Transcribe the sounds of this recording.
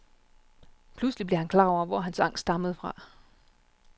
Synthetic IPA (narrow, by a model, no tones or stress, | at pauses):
pʰluslib̥lehænkʰlɑ̰̈ɒʊ̰ɐʋɒɦænsɑ̈ŋ̰sd̥ɑ̈məð̞̩ˠfʁɑ̈